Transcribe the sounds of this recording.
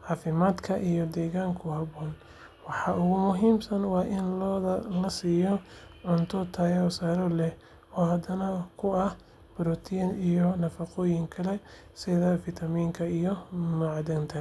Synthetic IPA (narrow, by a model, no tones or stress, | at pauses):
ʕɑːfɪmaːd̪kʰɐʔijɔd̪ɛːɣaːŋkʰʊhɐβɔːn | wɑħɑʔʊɣʊmʊɦiːmsɐnwɑːʔɪnlɔːðɐlɐsiːjɔʕʊnt̪ʰɔt̪ʰɐjɔsaːɾɔlɛh | ɔːɦɐd̪ɐnɐkʰʊɐh | b̥ɾɔt̪ʰinijɔnɐfɑqɔːjɪŋkʰɐlɛ | sɪðɐfɪt̪ʰɐmiːŋkʰɐijɔmʊʕɑd̪ɐnt̪ʰɐ